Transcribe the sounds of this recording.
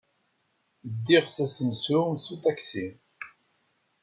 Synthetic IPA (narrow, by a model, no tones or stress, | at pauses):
d̪ːiʁsæsənsumsut̪æksi